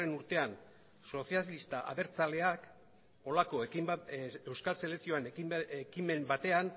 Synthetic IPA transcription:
enuɾt̪e̞an | so̞sijalist̪aʔa̰ðe̞ɾt͡sale̞ak | o̞lako̞ekiewskalse̞leksio̞aneiekime̞mbat̪e̞an

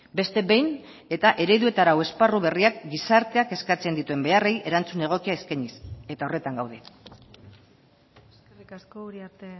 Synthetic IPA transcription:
be̞st̪e̞βe̞jn | e̞t̪aʔe̞ɾe̞ðue̞t̪aɾawe̞sparuβe̞riak̚ɡisaɾt̪e̞ake̞skat͡se̞nd̪it̪ue̞mbe̞arejʔe̞ɾant͡sune̞ɣ̞o̞kiaeskaɲise̞t̪ao̞re̞t̪aŋɡawð̞e̞ | skerikaskouɾiaɾt̪e

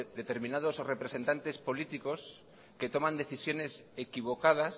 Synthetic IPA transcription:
d̪et̪eɾmĩnað̞osrepɾesent̪ant̪espolit̪ikos | ket̪omãnd̪eθisjo̞nesekiβokað̞as

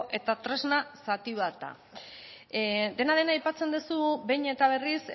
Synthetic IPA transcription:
ʔe̞t̪at̪ɾe̞znasat̪iβat̪a̰ | d̪e̞naðe̞naːjpat͡se̞nd̪usubejɲe̞t̪aβ̞e̞ris

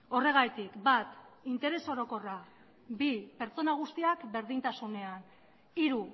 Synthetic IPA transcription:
o̞re̞ɣ̞ajt̪ikbat̪int̪e̞ɾe̞so̞ɾo̞ko̞ra | bipe̞ɾt͡so̞naɣ̞ust̪iakbe̞ɾðint̪asune̞an | iɾu

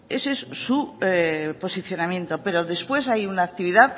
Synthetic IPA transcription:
esesːu | po̞siθjo̞namje̞nt̪o̞pe̞ɾo̞ðe̞spwe̞sajunaːk̚t̪iβ̞iðað

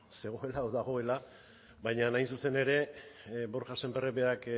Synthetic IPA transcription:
se̞ɣ̞o̞elaoðaɣ̞o̞e̞la | bajɲanajnsuse̞ne̞ɾe̞bo̞ɾʝasembereβeak

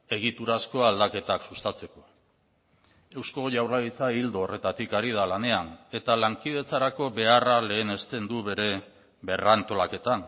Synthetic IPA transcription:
e̞ɣ̞it̪uɾasko̞ald̪ake̞t̪aksust̪at͡se̞ko̞̥ | e̞wsko̞ʝawrlait͡saild̪oːre̞t̪at̪ikaɾið̞alane̞ane̞t̪alaŋkið̞e̞t͡saɾako̞βe̞arale̞ːne̞st̪e̞nd̪uβe̞ɾe̞ | βe̞rant̪o̞lake̞t̪an

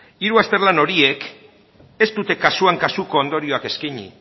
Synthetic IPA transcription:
iɾuast̪e̞ɾlano̞ɾie̞k | e̞st̪ut̪e̞kasuaŋkasuko̞ːnd̪o̞ɾio̞ake̞skiɲḭ

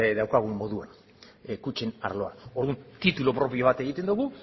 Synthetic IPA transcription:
d̪awkaɣ̞umːo̞ðua̰n | ekut͡ʃe̞na̰ɾlo̞a̰o̞ɾðunt̪it̪ulopɾo̞pio̞βat̪e̞ɣ̞it̪e̞nd̪uɣu

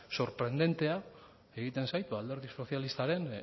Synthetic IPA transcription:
so̞ɾpɾe̞nd̪e̞nt̪e̞a | e̞ɣit̪e̞nsajt̪bald̪eɾðiso̞θjalist̪aɾe̞n

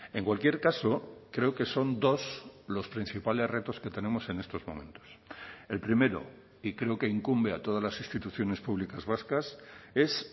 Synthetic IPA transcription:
e̞ŋkwalkje̞ɾkaso̞kɾe̞oke̞so̞nd̪o̞slo̞spɾĩn̟θipale̞zre̞t̪o̞ske̞t̪e̞nẽ̞mo̞se̞ne̞st̪o̞zmõ̰mẽ̞̰nt̪o̥selpɾime̞ɾo̰ | ikɾe̞oke̞iŋkumbe̞at̪o̞ð̞azlasist̪it̪uθjo̞ne̞spuβlikazβaskase̞s

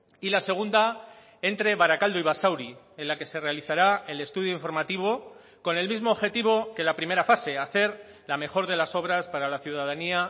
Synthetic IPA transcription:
ilase̞ɣ̞und̪a | e̞nt̪ɾe̞βaɾakald̪o̞iβ̞asawɾi | e̞nlake̞se̞re̞aliθaɾae̞le̞st̪uð̞joiɱfo̞ɾmat̪iβo̞ | ko̞ne̞lmizmo̞ːβxe̞t̪iβ̞o̞ke̞lapɾime̞ɾafase̞aθe̞ɾ | lame̞xo̞ɾðe̞laso̞β̞ɾaspaɾalaθjuð̞að̞ania

